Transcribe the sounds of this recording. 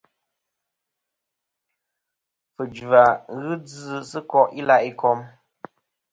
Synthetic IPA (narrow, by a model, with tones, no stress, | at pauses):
fɨ˨d͡ʒa˨ɣɨ˦d͡zːsɨ˦kɔ˦ʔi˦la˦˨ʔi˦kɔ˦m